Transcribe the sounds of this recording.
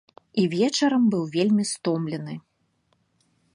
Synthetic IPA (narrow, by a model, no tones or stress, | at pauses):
ivʲɛt͡ʂɐɾɐmbɨwvʲelʲmʲist̪ɔmlʲɛnɨ